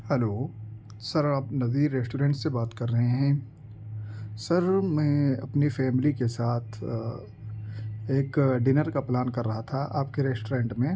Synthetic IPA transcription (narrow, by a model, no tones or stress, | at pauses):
hɛloː | sɐɾaːpnɐziːɾːeːsʈuːɾẽːɳʈsebaːt̪kɐɾːɐɦẽɦɛ̃ː | sɐɾmɛ̃ːɐpnifɛːmɪlikesaːt̪ʰ | eːkɖɪnəɾkaplaːnkɐɾːɐɦat̪ʰaʔaːp̚keɾɛːsʈoɾẽːɳʈmẽ